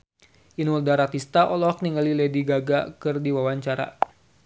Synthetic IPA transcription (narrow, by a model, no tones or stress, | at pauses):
inuldaɾat̪ist̪aʔɔlɔk̚niŋalilɛdiɡaɡakɨrdiwawaɲt͡ʃaɾa̰